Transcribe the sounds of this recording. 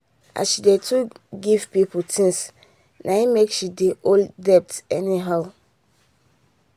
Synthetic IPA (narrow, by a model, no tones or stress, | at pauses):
a̰ʃidetʰuɡivpipʰotʰĩns | nʔãhimekʃideʔoldɛp̚tɛniɦaʊ